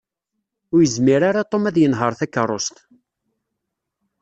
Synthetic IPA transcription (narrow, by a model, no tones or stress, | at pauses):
ʊɾjəzmiɾaɾat̪ˤːomæðjənɦəɾˤθækːərˤːost̪